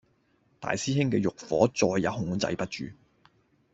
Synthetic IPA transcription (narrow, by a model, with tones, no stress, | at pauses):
t̪a̰ː˨jsiː˥hɪ˥ŋkɛː˧jʊ˨k̚fɔ̰ː˨˥t͡sɔː˧jːɐ˨˧˥whʊ˨˧ŋt͡sɐ̰˧jpɐ˥t̚t͡ʃyː˨